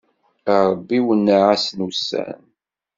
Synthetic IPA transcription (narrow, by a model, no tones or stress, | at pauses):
əɾˤbːiwənːaʕasnusːæ̰n